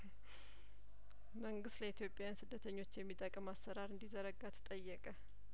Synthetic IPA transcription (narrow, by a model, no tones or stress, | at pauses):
məŋɡɨst̪ləit̪ʰjo̞pʼjajansɨd̪ːət̪ʰəɲːo̞t͡ʃːjɛmːit̪ʼəkʼəmasːəɾaɾɨnd̪izəɾəɡat̪ʰə̥t̪ʼəjːɛkʼə